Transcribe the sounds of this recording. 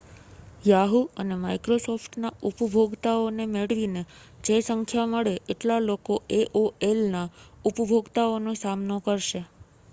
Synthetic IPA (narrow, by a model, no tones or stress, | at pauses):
jaɦuənemaikɾosɔfʈnaupbʱoɡt̪aonemeɭʋine | d͡ʒesəŋkʰjaməɭeʔeʈlalokoʔeʔoʔelnaupbʱoɡt̪aonosamnokəɾʃe